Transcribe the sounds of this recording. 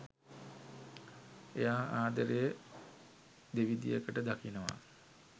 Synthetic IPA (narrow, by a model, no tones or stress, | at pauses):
ejaːaːd̪əɾejə | d̪eʋid̪ijəkəʈəd̪akinəʋa̰